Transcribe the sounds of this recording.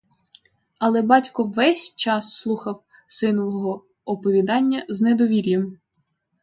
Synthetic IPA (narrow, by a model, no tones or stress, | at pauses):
ɐlˠɛbɑtʲkɔʋɛsʲt͡ʃɑsːlˠuxɐw | sɪnɔʋɔɔɦɔ | ɔpɔʋʲid̪ɑnʲːɐznɛd̪ɔʋʲiɾʲjɛm